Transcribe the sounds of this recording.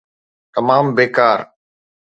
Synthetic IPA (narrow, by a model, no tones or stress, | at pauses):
t̪ɐmaːmbeːkaːɾ